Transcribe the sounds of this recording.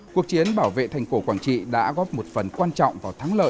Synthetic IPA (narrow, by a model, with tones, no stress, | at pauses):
ku˨˩ək̚t͡ɕi˨˦ənɓaː˧˩wvḛ˧˨t̪ʰjŋ̟fo˧˩kwaː˧˩ŋt͡ɕḭ˧˨ɗa̰ː˧˥ɣɔ˦˥p̚mo˨˩t̚fə˨˩nkwaː˧nt͡ɕɔ̰˧˨wŋ͡mvaː˨˩wt̪ʰaː˨˦ŋlə̰ː˧˨